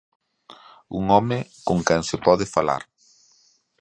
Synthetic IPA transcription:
ṵŋɔmɪkoŋkɛŋsɪpɔðɪfala̰ɾ

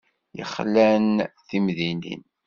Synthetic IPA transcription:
jə̰χlːænθimðinḭn

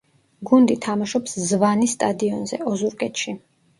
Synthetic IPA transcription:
ɡund̪it̪ʰamaʃɔpszvanist̪ʼad̪iɔnzɛ̰ɔzuɾkʼɛt̪ʃi

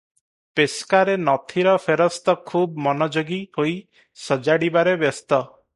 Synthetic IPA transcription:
peskaɾenɔt̪ʰiɾɔpʰeɾɔst̪ɔkʰubmɔnɔd͡ʒoɡihoj | sɔd͡ʒaɽibaɾebjɔst̪ɔ

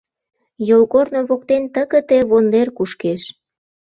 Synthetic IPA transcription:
jolɣorno̽βok̚t̪ent̪əɣə̆t̪eβond̪erkuʃkeʃ

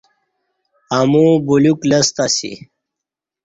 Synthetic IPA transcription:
amũbuluklɐst̪asḭ

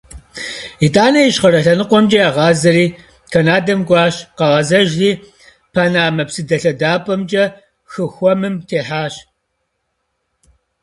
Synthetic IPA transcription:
itʰʼaːnɐjiɕχɐɾɐɬɐnɨqʷɔmd͡ʒʼɐaʁɑːzɐɾiː | kʰɐnaːdɐmɡʷɑːɕqɐʁɐzɐʒriː | pʰaːnaːmɐpsɨdɐɬɐdaːpʼɐmd͡ʒʼɐ | xɨxʷɔmɨmtʰeːħaːɕ

